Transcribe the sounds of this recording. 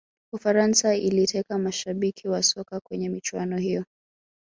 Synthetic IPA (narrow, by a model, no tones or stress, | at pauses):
ufaɾansailitʰɛkamaʃaɓikʰiwasɔkakwɛɲɛmit͡ʃuanɔhijɔ